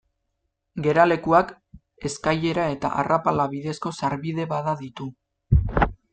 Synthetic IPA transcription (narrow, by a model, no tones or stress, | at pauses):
ɡe̞ɾale̞kuak | e̞skaje̞ɾae̞t̪a̰ʔa̰rapalaβiðe̞sko̞saɾβiðe̞βaðaðit̪u